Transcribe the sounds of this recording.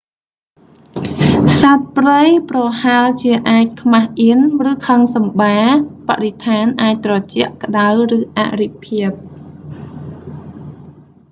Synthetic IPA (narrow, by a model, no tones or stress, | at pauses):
sat̪̚prəjprɑhalt͡ɕiəʔaːc̚kʰmahʔiənrɨːkʰəŋsɑmɓaːpaʔrit̪ʰaːnʔaːc̚t̪rɑt͡ɕɛ̆əʔkə̆ɗawrɨːʔa̰ʔripʰiəp̚